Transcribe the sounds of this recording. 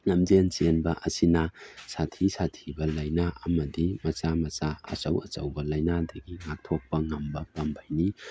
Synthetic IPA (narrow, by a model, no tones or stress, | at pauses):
ŋɐmd͡ʒent͡ʃenbɐʔɐsinɐsatʰisatʰibɐlɐjnaʔɐmɐdimɐt͡ʃamɐt͡ʃaɐ̰sɐwɐ̰t͡ʃɐwbɐlɐjnadɐɡiŋak̚tʰok̚pɐŋɐmbɐpɐmbʱajni